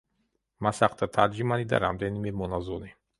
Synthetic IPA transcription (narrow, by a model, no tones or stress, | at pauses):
masaχt̪ʰat̪ʰaɾd͡ʒimanid̪a̰ɾa̰md̪ɛnimɛmɔnazɔni